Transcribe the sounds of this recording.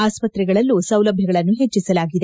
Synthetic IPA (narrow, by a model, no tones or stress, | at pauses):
aːspɐt̪ɾɛɡɐɭɐlːusɐwlɐbʱjɐɡɐɭɐnːuɦet͡ʃːisɐlaːɡid̪e̞